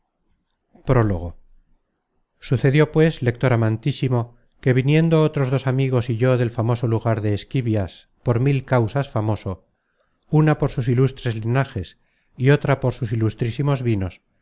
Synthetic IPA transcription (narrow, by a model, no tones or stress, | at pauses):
pɾo̞lo̞̰ɣ̞o̞ | suθe̞ðjo̞pwe̞sle̞k̚t̪o̞ɾamãnt̪isimo̞ | ke̞βinje̞nd̪oot̪ɾo̞zðo̞samiɣ̞o̞siʝo̞ðe̞lfamo̞so̞luɣaɾðe̞ːskiβjas | po̞ɾmilkawsasfamo̞so̞ | unapo̞ɾsus̬ilust̪ɾe̞zlinaxe̞s | io̞t̪ɾapo̞ɾsus̬ilust̪ɾisimo̞zβino̞s